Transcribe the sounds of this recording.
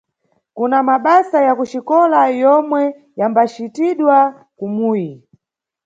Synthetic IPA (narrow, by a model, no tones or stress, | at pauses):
kunamaɓasajakut͡ʃikɔlajɔmwɛ | jambat͡ʃitiɗwa | kumuːji